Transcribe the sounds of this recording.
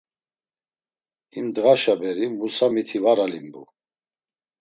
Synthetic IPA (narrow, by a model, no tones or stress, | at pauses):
imd̪ɣaʃabɛɾimusamit̪ʰivaɾalimbṵ